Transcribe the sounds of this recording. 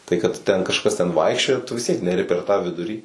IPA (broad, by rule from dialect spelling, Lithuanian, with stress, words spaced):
ˈtɐɪ kɐt ˈtʲɛn kɐʃˈkɐs tʲɛn ˈʋɐɪkʃʲt͡ʃʲoːjɛ tʊ ʋʲɪs ˈtʲiɛk nʲɛˈrʲɪ pʲɛr tɑː ˈʋʲɪdʊrʲiː